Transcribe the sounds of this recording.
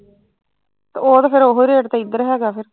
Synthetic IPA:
t̪ːoːt̪apʰɪɾoɦoɾeːʈt̪ãːɪd̪əɾɦɛːɡaːpʰɪɾ

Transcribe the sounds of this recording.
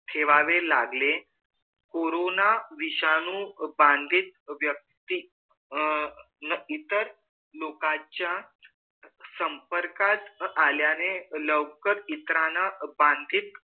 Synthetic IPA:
t̪ʰeʋaʋelaɡle | koɾonaʋiɕanũbãnd̪ʱiːt̪̚ʋjək̚t̪i | nəit̪əɾ | lokat͡ɕja | səmpəɾkat̪aljaneləʋkəɾit̪ɾanabãnd̪ʱiːt̪

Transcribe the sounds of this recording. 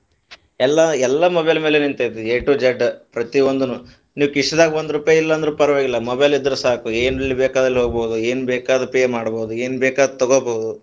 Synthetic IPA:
ɛlːaɛlːɐmɔbɐjlɐmeːlenint̪ejt̪ːieːʈuːd͡ʒeɖpɾɐt̪iʋond̪unu | niːʋukiʂʈɐd̪aːɡiʋond̪uɾuːpajɐilːɐːnd̪ɾuːpɐɾɐʋaːɡilːɐmɔbɐjlid̪ːɐɾusaːkueːnɐɭːibeːkaːd̪ɾɐlːiɦoːɡboːd̪ueːnubɛːkaːd̪ɐpeːmaːɽboːd̪ueːnbɛːkaːd̪ɐt̪ɔɡoboːd̪u

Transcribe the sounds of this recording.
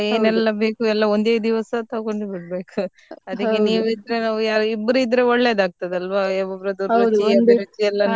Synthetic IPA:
eːnɛlːɐbe̞ːkuɛlːɐond̪eːd̪iʋɐsɐt̪ɐkoɳɖbiʈbe̞ːku | ɐd̪ikːeniːʋid̪ɾenaːʋujaːɾuibːɾuid̪ɾeɔɭːeːd̪aːɡ̚t̪ɐd̪eɐlʋaɛbɐbɾɐd̪uɾɐdiɐd̪eɾit̪iɛlːɐna

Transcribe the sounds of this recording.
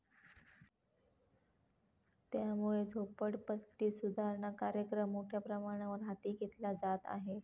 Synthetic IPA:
t̪jamuɭed͡zʱopəɽpət̪ːiːsud̪ʱaɾɳakaɾjəkɾəmːoʈʰjapɾəmaɽ̃aʋəɾɦat̪iːɡet̪lad͡zat̪a̰ɦe

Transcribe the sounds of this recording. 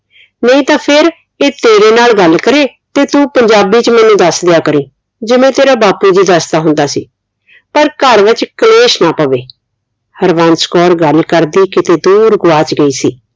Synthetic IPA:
nəĩːt̪ãːpʰɪɾ | eːt̪eːɾeːnaːlɡəlkəɾeːt̪eːt̪ũːpəɲd͡ʒaːbiːt͡ʃmɛːnũːd̪əsd̪ejaːkəɾĩː | d͡ʒɪmẽːt̪eːɾaːbaːpuːd͡ʒiːd̪əst̪aːɦʊnd̪aːsḭː | pəɾkəɾʋɪt͡ʃkəleːʃnaːpəʋeː | həɾʋãːnskɔːɾɡəlkəɾd̪iːkɪt̪eːd̪uːɾɡʊʋaːt͡ʃɡəiːsḭː

